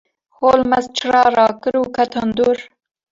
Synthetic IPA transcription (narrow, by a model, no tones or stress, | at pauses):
hoːlmɐzt͡ʃʰɨrɑːɾɑːkɨɾuːkʰɐt̪ʰɑnd̪uːɾ